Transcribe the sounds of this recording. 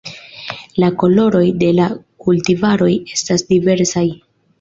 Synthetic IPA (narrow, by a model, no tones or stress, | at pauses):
lako̞lo̞ɾo̞jde̞lakultivaɾo̞je̞stasdive̞ɾsaj